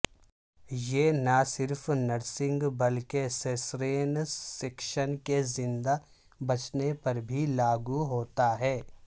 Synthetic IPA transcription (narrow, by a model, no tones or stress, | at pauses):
jenɐsɪɾfnɐɾsɪ̃ŋɡbɐlkesesɾeːnsekʃənkezɪ̃nd̪a | bɐt͡ʃnepɐɾbʱilaːɡuɦoːt̪aɦɛː